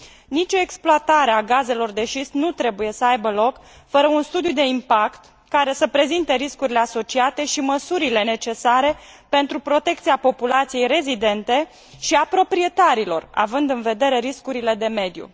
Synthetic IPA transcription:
nit͡ʃo̞eksploat̪aɾe̞aɡaze̞lo̞rd̪e̞ʃisnut̪ɾe̞buje̞səajbəlo̞kfəɾəunst̪ud̪jud̪e̞impakt̪ | kaɾe̞səpɾe̞zint̪eɾiskuɾile̞aso̞t͡ʃiat̪e̞ʃiməsuɾile̞ne̞t͡ʃe̞saɾe̞ | pe̞nt̪ɾupɾo̞t̪e̞k̚t̪siapo̞pulat̪sije̞jɾe̞zid̪e̞nt̪e̞ | ʃiapɾo̞pɾie̞t̪aɾilo̞̰ra̰vɨnd̪ɨnve̞d̪e̞ɾe̞ɾiskuɾile̞d̪e̞me̞d̪jṵ

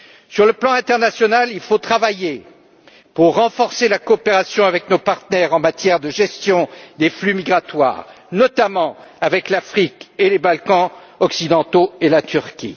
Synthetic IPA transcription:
syʁləplɑ̃ɛ̃t̪ɛʁnasjɔnalilfot̪χavaje | puʁːɑ̃fɔʁselakɔːpeʁasjɔ̃avɛknopaʁt̪nɛʁɑ̃mat̪jɛʁd̪əʒɛst̪jɔ̃d̪eflymiɡʁat̪wa̰ːʁ | nɔt̪amɑ̃avɛklafχikelebalkɑ̃ | ɔksid̪ɑ̃t̪oelat̪yʁkʲḭ

